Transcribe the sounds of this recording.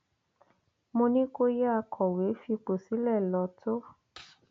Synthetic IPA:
mõ˧nĩ˦ko˦ja˦˧kʰɔ˨we˨˦fi˧k͡po˨si˨˦lɛ˦˨lɔ˧˦tʰo˦

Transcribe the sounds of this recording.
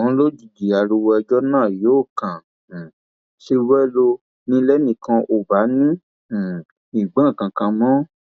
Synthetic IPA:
ɔ̃˨˦lo˦d͡ʒi˨d͡ʒi˨a˨ɾu˧wɔ˧ɛ˧d͡ʒɔ˦nãː˦˨jo˨˦˨kã˨ | ʃi˧˦wɛ˦lo˧ | nĩ˦lɛ˦nĩ˨kã˧ʔo˨ba˨˦nĩ˦˨ | i˨ɡ͡bã˦˨kã˨kã˧mɔ̃˦

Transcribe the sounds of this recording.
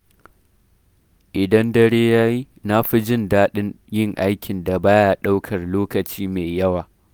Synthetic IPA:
ʔɪ˨dɐ˦ndɐ˦ɽeː˦jaː˦ji˦ | na˦ɸi˦d͡ʒɪ˦ndaː˦ɗɪ˦n | jɪ˦ŋʔa˦jkʲɪ˨nda˨baː˦ja˦ɗa˦wkʰɐ˨rloː˦kɐ˨t͡ʃiː˦meː˨jɐ˦waː˨

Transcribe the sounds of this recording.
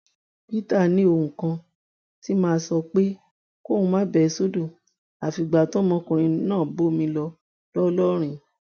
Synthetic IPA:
pi˦ta˦˨nĩ˧˦o˧˨hũ˨kã˧ | ti˦mãː˦˧sɔ˧k͡pe˦ | ko˦˨ũ˧mãː˦bɛ˨˧so˦do˦˨ | a˨fi˧ɡ͡ba˨tɔ˨˦mɔ̃˧kõ˨ɾ̃ĩ˧nãː˦˨bo˦mĩ˧lɔ˧ | lɔ˦lɔ˦ɾ̃ĩ˧

